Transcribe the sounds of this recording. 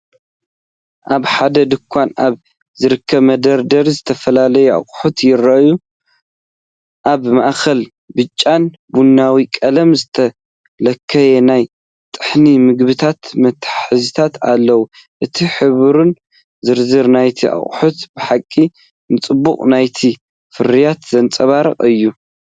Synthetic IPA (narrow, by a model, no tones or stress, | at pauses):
ʔaβħad̪ɐd̪ɨkʷʰːanʔaβ | zɨɾɨkʰːɐβmɐd̪ɐɾd̪ɐɾizɨt̪ʰɐfɐlalɐjɛʔa̰χʼħut̪jɪɾɐʔju | ʔaβmaʔkʰɐl | bɨt͡ʃʼːan | bunːawikʼɐlɐmzɨt̪ʰɐ | lɐkʰːɐjenaj | t̪ʼɨ̥ħnimɨɡbɨt̪ʰat̪mɐt̪ħɨzɨt̪ʰat̪a̰lːɐwu | ʔɨt̪ʰiħɨβɾun | zɨɾzɨɾnajt̪ʰiʔa̰χʼħut̪bɨħakʼːi | nɨt͡sʼɨbːuqʼnajt̪ʰi | fɨɾijat̪zɐnt͡sʼɐβaɾɐ̰qʼɨjːu